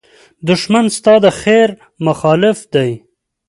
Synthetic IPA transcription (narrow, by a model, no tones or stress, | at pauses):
d̪ʊʃmanst̪ɑd̪əxeɾ | mʊxɑlɪfd̪aj